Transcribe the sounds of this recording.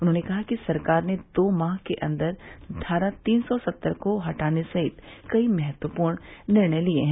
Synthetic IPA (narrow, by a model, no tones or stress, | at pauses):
ʊnɦõːnekɐɦakisɐɾkaːɾned̪oːmaːɦkeʔɐ̰̃nd̪əɾɖʰʱaːɾat̪iːnsɔsɐt̪ːəɾkoɦɐʈaːnesɐɦɪt̪kɐimɐɦɛt̪wəpuːɾɽ̃nɪɾɳəjlieɦɛ̃ː